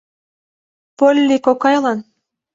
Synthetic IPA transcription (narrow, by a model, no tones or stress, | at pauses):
polʲːikokɑjlˠɑn